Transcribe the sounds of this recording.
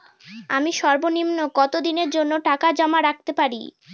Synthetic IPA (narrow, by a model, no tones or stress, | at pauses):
amiʃɔɾbonimnokɔt̪od̪ineɾd͡ʑonːoʈakad͡ʑɔmaɾak̚t̪epaɾḭ